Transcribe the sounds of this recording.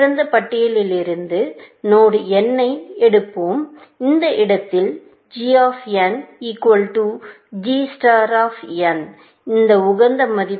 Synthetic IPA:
ɾɐnd̪ɐpɐʈːɪjɐlɪlɪɾɯnd̪ɯ | noːɽɯɛnːɐɪɛɽɯpːoːmɪnd̪ɐʔɪɽɐt̪ːɪl | d͡ʒiːaːfjɐniːkwɐlʈu | d͡ʒiːsʈaːɾaːfjɐn | ɪnd̪ɐʊɣɐnd̪ɐmɐðɪ

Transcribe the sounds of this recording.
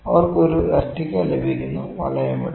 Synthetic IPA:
ɐʋɐrkoɾuɾɐtːikʲːalebʱikʲːunːuʋɐ̰lɐjɐmiɽ

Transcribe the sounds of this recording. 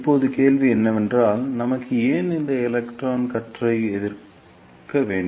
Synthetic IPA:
ɪpːoːðɯkeːlʋiɛnːɐʋɛndraːlnɐmɐkːɯeːnɪnd̪ɐɪlɛkʈraːnkɐʈrɐɪɛðɪɾ | kɐʋeːɳɖ

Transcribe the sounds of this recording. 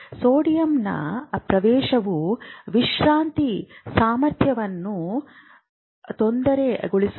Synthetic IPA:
soːɽijɐmnɐ̰pɾɐʋɛːʃɐʋuʋiʃɾaːnt̪isaːmɐɾt̪ʰjɐʋɐnːu | t̪o̞nd̪ɐɾeɡoɭis

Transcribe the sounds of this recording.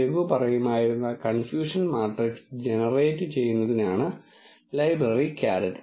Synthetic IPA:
ʋupɐrɐjumaːjiɾunːɐkɐnfjuːʂɐnmaːʈreksd͡ʑenɐreːtːɨt͡ɕe̞jːunːɐðinaːɳɨ | lɐjbrɐrikaːɾɐtː

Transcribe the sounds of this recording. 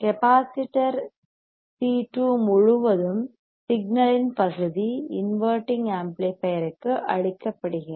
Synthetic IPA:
kɛpaːsɪʈːɐɾ | siːʈːumʊɻʊʋɐðɯm | sɪɡ̚nɐlɪnpɐɣɯðiɪnʋɐːɾʈːɪŋɡaːmplepɐjɐɾɯkːɯʔɐ̰ɻɪkːɐpːɐɽɯɣɐ

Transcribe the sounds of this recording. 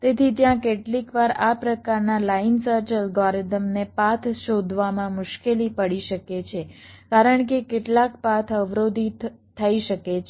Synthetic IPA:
t̪et̪ʰit̪jãkeʈlikʋaɾapɾəkaɾnalainsəɾt͡ʃəlɡɔɾd̪əmnepat̪ʰʃod̪ʱʋamãmʊʃkelipəɽiʃəket͡ʃʰekaɾəɳkekeʈlakpat̪ʰəʋɾod̪ʱitt̪ʰəiʃəke

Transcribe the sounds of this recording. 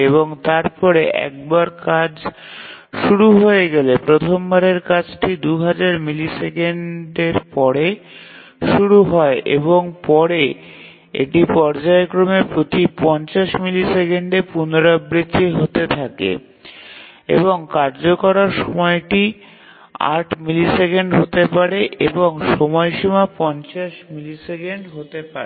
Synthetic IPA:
eβoŋt̪aɾpɔɾeʔɛ̰k̚baɾkad͡ʑ | ʃuɾuɦoeɡelepɾot̪ʰombaɾeɾkat͡ɕʰʈid̪uɦad͡ʑaɾmilisekeɳɖeɾpɔɾe | ʃuɾuɦɔeʔḛboŋpɔɾe | ḛʈipɔɾd͡ʑaekɾomepɾot̪ipɔnt͡ɕaʃmilisekeɳɖepunoɾabɾit͡ɕeɦot̪et̪ʰakḛ | ḛboŋkaɾd͡ʑokɔɾaɾʃɔmɔeʈi | a̰ʈʰmilisekeɳɖɦot̪epaɾeʔeboŋʃɔmɔjʃumapɔnt͡ɕaʃmilisekeɳɖɦot̪epaɾe

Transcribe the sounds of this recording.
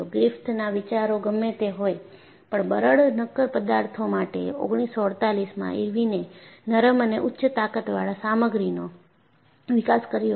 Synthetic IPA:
oɡɾɪft̪ʰnaʋɪt͡ʃaɾoɡəmːet̪eɦoj | pəɳbəɾəɭnəkːəɾpəd̪aɾt̪ʰomaʈḛo̰ɡɽ̃isːoəɽt̪alismã̰ʔḭɾʋinenəɾəməneʔʊtːʃət̪akət̪ʋaɭasaməɡɾino | ʋɪkaskəɾijo

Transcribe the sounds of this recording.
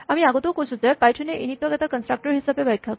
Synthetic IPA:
amiaɡot̪okosut͡sepajʈʰuneʔinit̪ʋaɡat̪akənsʈɾak̚ʈəɾɦisapebʱajkʰːjak

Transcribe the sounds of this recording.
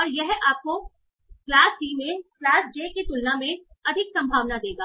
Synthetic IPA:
ɔːɾjɛɦaːp̚ko | klaːsɖiːmẽklaːsd͡ʒeːket̪ʊlnamẽ | ɐd̪ʱɪksɐ̃mbʱaːʋnad̪eːɡaː

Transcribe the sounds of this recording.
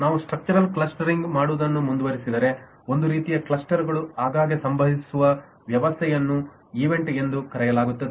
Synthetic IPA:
naːʋusʈɾɐk̚t͡ʃuɾɐlkɭɐsʈɐɾiŋɡmaːɽuʋd̪ɐnːumund̪uʋɐɾisid̪ɐɾe̞ | o̞nd̪uɾiːt̪ijɐkɭɐsʈɐɾɡɐɭuaːɡaːɡesɐmbʱɐɦisuʋɐ | ʋjɐʋɐst̪ʰɛjɐnːu | iʋe̞ɳʈe̞nd̪ukɐɾɛjɐlaːɡut̪ːɐd̪e

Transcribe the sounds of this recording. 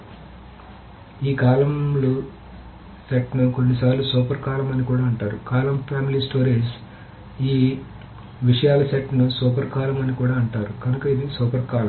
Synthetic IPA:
iːkaːlɐmlu | seʈnukoɳːis̬aːɾlusuːpɐɾkaːlɐmɐnikuːɽaːɐɳʈaːɾṵkaːlɐmpʰaːmilisʈoːɾeːs | iː | ʋiʂɐjaːlɐsɐʈnusuːpɐɾkaːlɐmɐnikuːɽaːɐɳʈaːɾuɡɐnukɐid̪isɔːpɐɾkaːlɐm

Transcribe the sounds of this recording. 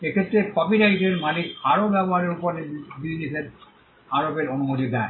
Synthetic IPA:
ekʰet̪ːɾekɔbiɾaiʈeɾmalikaɾobɛboɦaɾeɾupoɾnebid͡ʑniseɾ | aɾobeɾonumod̪id̪ɛe

